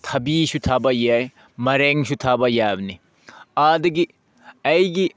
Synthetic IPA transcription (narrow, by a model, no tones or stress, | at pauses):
tʰɐbisutʰabɐjaj | mɐɾeŋsutʰabɐjabɐni | adɐɡi | ɐjɡi